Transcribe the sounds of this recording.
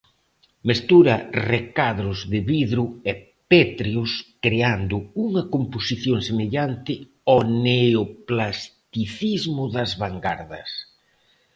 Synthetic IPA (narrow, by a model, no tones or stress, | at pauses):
mest̪uɾɐrekaðɾʊzðɪβiðɾʊɛ | pet̪ɾiʊskɾeand̪ʊuŋɐkomposiθjoŋsemeʎant̪ɪ | ɔneoplast̪iθizmʊðɐzβaŋɡaɾðɐs